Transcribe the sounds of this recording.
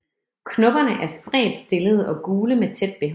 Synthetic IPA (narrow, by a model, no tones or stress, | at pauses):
kʰnɔ̽b̥ɐnəʔæɐsb̥ʁɛ̰ːd̥sd̥e̝ləð̞̩ˠɒ̽ɡ̥uːləmet͡sʰed̥̚b̥e̝ɦ